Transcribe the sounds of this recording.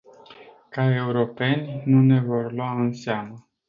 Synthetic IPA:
kae̞uɾo̞pe̞nʲnune̞vo̞rlwaɨnseamə

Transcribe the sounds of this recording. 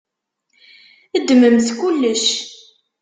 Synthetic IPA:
əd̪ːməmθkulːəʃ

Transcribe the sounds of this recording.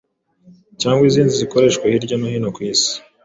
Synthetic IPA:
caːŋɡwiziːndiziko̞ɾe̞ːʃkwehiɾɟanahiːnokwiːsi̥

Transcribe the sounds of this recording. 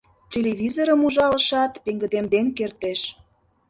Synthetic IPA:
tʲeleβʲizoɾəmuʒɑlə̆ʃɑt̪peŋɡə̆d̪emd̪enkert̪eʃ

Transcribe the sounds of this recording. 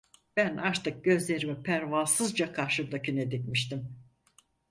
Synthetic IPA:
b̥ænaɾt̪ʰɯk̚ɟ̥ø̞zlʲe̞ɾimipʰæɾvalˠsɯzd͡ʒakʰaɾʃɯbd̪acʰyned̪icmiʃt̪im

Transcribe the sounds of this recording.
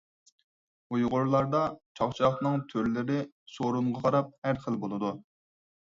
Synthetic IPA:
ujʁʊɾlˠɑɾd̪ɑt͡ʃʰɑχt͡ʃʰɑχnɨŋt̪ʰøɾlɪɾɪ | soɾuɴʁɑqʰɑɾɑp̚hæɾχəlˠbolˠɨd̪u

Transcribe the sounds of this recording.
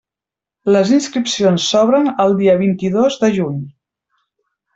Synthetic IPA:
ləzinskɾipsionsːɔβɾənəlˠd̪iəβint̪iðozðəʒuɲ

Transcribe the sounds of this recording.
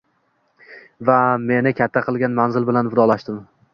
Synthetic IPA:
vame̞nɪkʲʰat̪ʰːaqʰɨlˠɡʲanmanzɪlbɪlanvʊd̪ɒlˠaʃt̪ɪm

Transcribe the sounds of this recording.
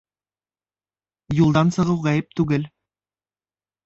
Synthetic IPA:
julˠd̪ɑnsɤ̆ʁɤwʁæjɘp̚t̪ʉɡɘl

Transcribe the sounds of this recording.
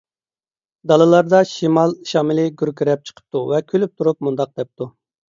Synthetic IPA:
d̪ɑlˠɨlˠɑɾd̪ɑʃimɑlˠʃɑːmɪlɪɡʲyɾkʲʰyɾɛp̚t͡ʃʰə̥qʰə̥p̚t̪ʰuvɛkʲʰølyp̚t̪ʰuɾup̚mund̪ɑq̚d̪ɛp̚t̪u

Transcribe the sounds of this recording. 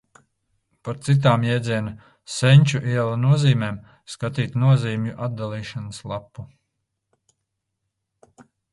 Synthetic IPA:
paɾt̪sit̪̬aːmjɛːd̪ziɛna | sɛɲʲt͡ʃuʔiɛlˠanuɔziːmeːm | skat̪iːt̪nuɔziːmʲjuʔad̪̚d̪alˠiːʃanəslˠapːu

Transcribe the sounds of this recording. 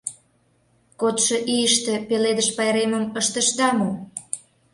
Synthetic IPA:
kot̪ʃŏʔijəʃt̪ĕpeled̪əʃpɑjɾemə̆məʃt̪ə̆ʃd̪ɑmu

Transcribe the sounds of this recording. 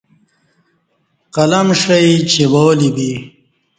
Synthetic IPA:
qɐlɐmʂɐjt͡ɕʰewoːlibi

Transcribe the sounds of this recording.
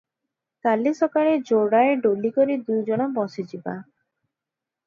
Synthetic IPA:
kalisɔkaɾed͡ʒoɽaeɖolikoɾid̪ujd͡ʒɔɽ̃ɔbɔsid͡ʒiba̰

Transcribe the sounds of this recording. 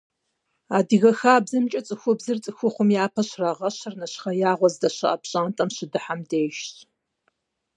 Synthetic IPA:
aːdɨɣɐxaːbzɨmt͡ʃʼɐt͡sʼɨxʷʊbzɨrt͡sʼɨxʷʊχʷʊmjaːpʰɐɕrɐʁɐɕɨrnɐɕχɐjaːʁʷɔzdɐɕɨ̰ʔɐpɕʼaːntʼɐmɕɪdɨħamdeːʃɕʼ

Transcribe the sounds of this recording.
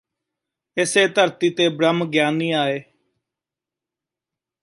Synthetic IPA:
ɪseːt̪əɾt̪iːt̪eːbɾəmɡjaːnːiːaːeː

